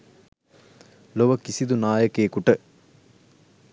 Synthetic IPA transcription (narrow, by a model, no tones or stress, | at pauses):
loʋəkisid̪unaːjəkeːkuʈə